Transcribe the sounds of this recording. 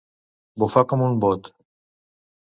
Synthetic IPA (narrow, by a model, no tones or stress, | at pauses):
vofakəmunbot̪